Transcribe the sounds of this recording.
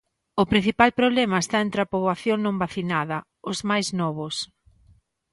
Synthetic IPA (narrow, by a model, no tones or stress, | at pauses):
ʊpɾin̟θipalpɾoβlɛmɐest̪aẽnt̪ɾapoβwaθjoŋnõmbaθinaðɐ | ʊzmajznɔβ̞ʊs